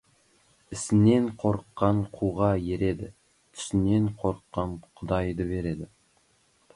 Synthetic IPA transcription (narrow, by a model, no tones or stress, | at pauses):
ɪsɪne̞ɴqʰo̞ɾqːɑɴqʰuʁɑjeɾe̞d̪ɪ | t̪ʰʏ̥sɪne̞ɴqʰo̞ɾqːɑnqʰʊd̪ɑjd̪əbe̞ɾe̞d̪ɪ